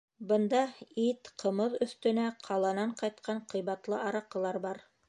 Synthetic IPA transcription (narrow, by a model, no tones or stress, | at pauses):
bɤ̆nd̪ɑit̪qʰɤ̆mɤðɵ̆θt̪ɵ̆næqʰɑlˠɑnɑɴqɑjt̪qʰɑɴqɤ̆jβɑt̪lˠɤʔɑɾɑqɤ̆lˠɑɾbɑɾ